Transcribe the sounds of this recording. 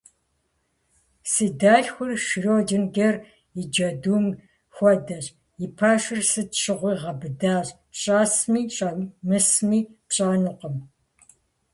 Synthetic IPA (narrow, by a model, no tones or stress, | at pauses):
siːdaːɬxʷʊrʃɪroːdɨnɡɐr | ɪd͡ʒɐduːm | xʷɔdɐɕ | jɪpʰaːʃɪrsɨtʃɨʁʷiːʁɐbɨdaːɕʼ | ɕʼaːsmiːɕʼɐmɨsmiːpɕʼaːnʊqəm